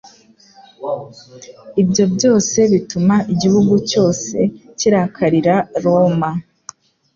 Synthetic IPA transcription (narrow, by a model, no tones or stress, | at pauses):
ibjo̞bɟo̞ːse̞βitumaʔiɟihuɡuco̞ːse̞ciɾaːkʰaɾiɾaɾoma